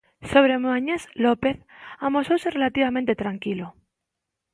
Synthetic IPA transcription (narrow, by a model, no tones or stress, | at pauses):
soβ̞ɾemuaɲezlopeθamosowserelat̪iβ̞amẽnt̪et̪ɾaŋkilo